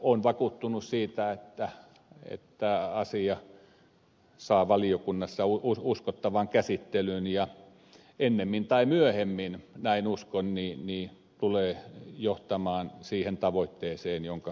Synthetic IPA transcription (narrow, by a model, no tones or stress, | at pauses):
onʋɑkuːt̪ːunussiːt̪æet̪ːæ | ḛt̪ːæɑsiɑ | sɑːʋɑliokunːɑsːɑuuuskot̪ːɑʋɑŋkæsit̪ːelynjɑ | enːemːint̪ɑimyøhemːinnæinuskonniːniː | t̪uleːjoht̪ɑmɑːnsiːhent̪ɑʋoit̪ːeːseːnjoŋkɑ